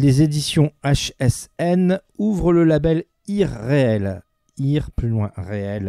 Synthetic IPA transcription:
lezed̪isjɔ̃aʃɛsɛnuvʁələlabɛl | iʁːeɛl | iʁplylwɛ̰̃ʁeɛl

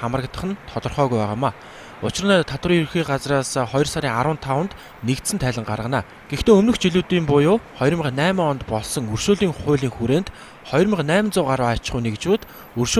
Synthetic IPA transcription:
amə̆rə̆kt̪ə̆χə̆nt̪ʰɔt̪ɞ̆rχœːɣujpæːʁaːmaː | ʊt͡ɕɪ̆rnɔːt̪ʰat̪wə̆riːurxiːɢat͡sraːsχɔjɞ̆rsaɾiːŋaɾwə̆nt̪ʰːawə̆nt̪ | nekt̪sɘ̆nt̪ʰæːɮʲə̆ɴɢarʁə̆naː | ɡ̥ext̪eːɵmnɵ̆xt͡ɕiɮuːt̪iːmpʊjʊːχɔjrmə̆qnæːmːɔnt̪pɔɮsɞ̆ŋɵrʃoːɮiːŋχʊ̟ːɮiːŋxuɾeːnt̪ | χɔjrmə̆qnæːmʲnt͡sʊːɢaɾaːat͡ɕɪ̆χuːnekt͡ɕuːt̪ | ɵrʃ

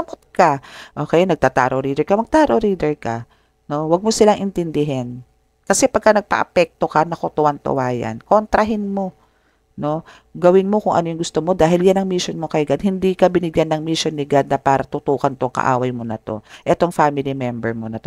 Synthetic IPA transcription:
ɐmot̪̚kɐʔoːkɛjnɐɡ̚t̪aːt̪a̰ːɾoɾiːd̪ɛɹkɐmɐɡ̚t̪aːɾoɾiːd̪ɛɹkɐ | no̞wɐɡ̚mosɪlaŋʔɪnt̪ɪnd̪ɪɦɛn | kɐsɛpɐɡ̚kːɐnɐɡ̚pɐ̰ʔɐpɛk̚t̪o̞kɐnɐkot̪ʊʔɐnt̪ʊ̰waːja̰nkont̪ɾɐɦɪnmo̞ | no̞ | ɡɐwɪnmo̞kʊŋʔɐ̰nojʊŋɡʊst̪omo̞d̪aːɦɪljanɐŋmiʃonmokɐjɡad̪̚hɪnd̪iːkɐbɪnɪɡjanːɐŋmiʃonːɪɡad̪̚nɐpaːɾɐt̪ʊt̪uːhɐnt̪oŋkɐ̰ʔa̰ːwɐjmonɐ̰t̪o̞̰ʔɛt̪oŋfaːmɪlimɛmbɛɹmonɐt̪o

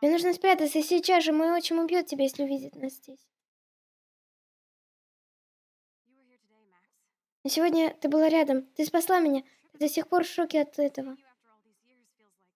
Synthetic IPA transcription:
ɪmʲenuʐnəspɾʲat̪ət̪səsʲiːt͡ɕasʐɨmo̞jo̞t͡ɕɪnʲʊbʲjo̞t̪̚tʲɪbʲajesʲlʲɪʊvʲidʲɪt̪naszʲdʲesʲ | nəsʲɪvo̞dʲnʲət̪ɨbɨlˠaɾʲad̪əmt̪ɨspɐslˠamʲɪnʲa | t̪ɨd̪ɐsʲexpo̞rʂo̞kʲɪɐt̪ɛt̪əvə

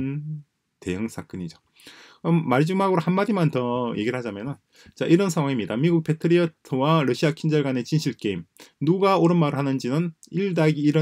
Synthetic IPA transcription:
te̞jɯŋs͈ʰak͈ɯɲid͡ʑo | ʌmaɭd͡ʑumɦaɡɯɾohanmadimantʌjʔe̞ɡiɾɯɭhad͡ʑamjʌnɯn | t͡ɕaʔiɾʌnsʰaŋɦwaŋimɲidamiɡuk̚pʰe̞tʰɯɾiʌtʰɯwaɾʌɕʰiakʰind͡ʑaɭɡwane̞t͡ɕinɕʰiɭk͈e̞imnuɡaoɾɯnmaɾɯɭɦanɯnd͡ʑinɯniɭdaɡiːɾʌ

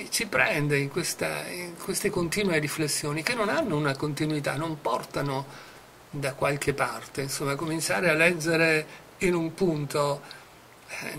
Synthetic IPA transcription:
t͡ʃipɾɛ̰nd̪eiŋkwest̪a̰iŋkwest̪ekont̪iːnweriflesːjoːnik̟enːonanːounakont̪inwit̪a̰nːompɔrt̪ano | d̪akwalkepːart̪einsomːakomint͡ʃa̰ːɾealːɛd͡ʒːeɾe | inumpunt̪o

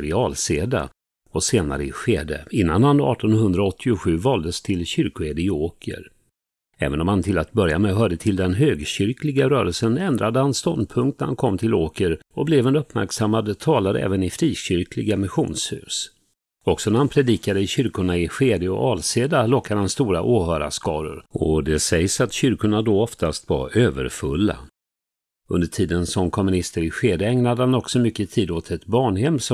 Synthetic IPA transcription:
ɾɪɑːlseːd̪a̰ | ɔseːna̰ɾəɪɧeːd̪ḛɪnːanhanɑ̰ːʈɔnhɵnd̪ɾaɔt̪ʰːɪʊɧʉ̟ːvɑːld̪əst̪ʰɪlɕʏɾkʊɛd̪ɪoːkɪə̰ɾ | ɛ̰ːvənɔmhant̪ʰɪlat̪̚bœɾja̰mɛɦœːɖət̪ʰɪld̪ɛnɦøːɡɕʏɾklɪɡaɾœːɾəlsənɛnd̪ɾad̪əhanst̪ɔnpʰɵŋkt̪næɾha̰nkʰɔmːt̪ʰɪloːkəɾɔblɛvɛnɵpːmæ̰ɾksamːad̪t̪ʰɑːlaɾəɛ̰ːvənɪfɾiːɕʏɾklɪɡamɪɧuːnshʉ̟̰ːs | ɔksɔnæɾhanpʰɾɛd̪iːkad̪əɪɕʏɾkʊɳaɪɧeːd̪eɔ̰ʔɑːlseːd̪alɔkːad̪əhanst̪uːɾa̰ʔuːhœːɾa̰skɑːɾə̰ɾɔd̪ɛsɛjsat̪ɕʏɾkʊɳad̪ɔɔft̪ast̪va̰ɾøːvə̰ɾfɵ̰lːa̰ | ɵnd̪əʈʰiːd̪ənsɔmkʰɔmɵnɪst̪əɾɪɧeːd̪ɛɛŋnad̪əhanɔksɔmʏkːət̪ʰiːd̪ot̪ʰɛt̪bɑːɳhɛmːsɔ

